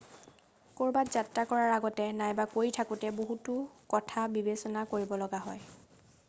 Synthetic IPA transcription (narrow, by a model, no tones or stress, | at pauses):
koɹbatz̥atɹakɔɹaɹaɡɔtɛnajbakojtʰakutɛboɦutʊkɔtʰabibesɔnakoɹibɔlɔɡaɦɔ̰j